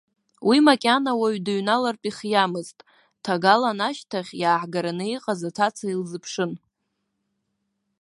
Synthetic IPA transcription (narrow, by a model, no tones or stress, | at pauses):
wimakʲʼanawaɥdaɥnalarpʼiχʲjamɨztʼ | tʰaɡalanaʃtʰaχʲjaːħɡaɾanɨiqʼazatʰat͡sʰailzɨpʰʂɨn